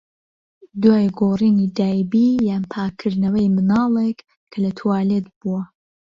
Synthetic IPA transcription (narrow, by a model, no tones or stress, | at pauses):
d̪waːjɡoːriːnid̪aːjbiːjaːnpʰaːkʰɨɾd̪nɐwɐjmɨnɑːlˠek | kʰːɐlɐt̪ʰuwaːlet̪̚buwɐ